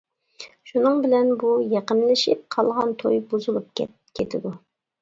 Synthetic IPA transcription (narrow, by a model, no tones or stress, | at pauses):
ʃunɨŋbɪlɛnbujeqənlɪʃɪp̚qʰɑlˠʁɑnt̪ʰojbuzulˠup̚kʲɛ | kʲʰet̪ʰɪd̪u